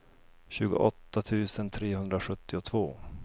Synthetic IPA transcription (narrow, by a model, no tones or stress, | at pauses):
ɕʉ̟ːɡʊ̰ʔɔt̪ːat̪ʰʉ̟ːsənt̪ʰɾeːhɵnd̪ɾaɧɵt̪ːɪʊt̪ʰv̥oː